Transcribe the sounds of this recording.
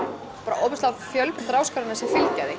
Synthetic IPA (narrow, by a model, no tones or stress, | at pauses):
paːɾaʔoːwpɪst̪afjœlpt̪ɾaːwskaɾɪnasɪfɪlcajðɪ